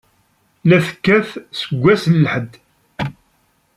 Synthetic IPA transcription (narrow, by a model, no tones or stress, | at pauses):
læθə̥kːæθsəɡʷːæsnlħəd̪